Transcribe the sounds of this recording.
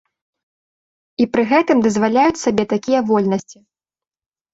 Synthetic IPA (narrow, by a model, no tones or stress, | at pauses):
ipɾɨɣɛt̪ɨmd̪ɐzvalʲajut͡sʲsabʲɛt̪akʲijɐvɔlʲnɐsʲt͡sʲi